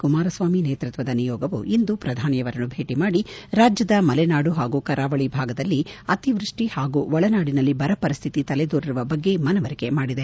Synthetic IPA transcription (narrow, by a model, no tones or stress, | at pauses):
kumaːɾɐsʋaːmineːt̪ɾut̪ʋɐd̪ɐnijɔːɡɐʋṵʔind̪upɾɐd̪ʱaːnjɐʋɐɾɐnːubʱe̞ːʈimaːɽiɾaːd͡ʒjɐd̪ɐmɐlɛnaːɽuɦaːɡuːkɐɾaːʋɐɭibʱaːɡɐd̪ɐlːiɐt̪iʋɾuʂʈihaːɡuːʋɔɭɐnaːɽinɐlːibɐɾɐpɐɾist̪ʰit̪it̪ɐled̪oːɾiɾuʋɐbɐɡːe̞mɐnɐʋɐɾike̞maːɽid̪e